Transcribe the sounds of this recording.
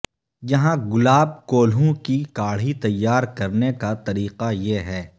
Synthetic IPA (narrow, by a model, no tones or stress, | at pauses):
jɐɦãɡʊlaːb̚koːlɦõkikaːɽ̤it̪ɐjːaːɾkɐɾnekat̪ɐɾiːqajeɦɛː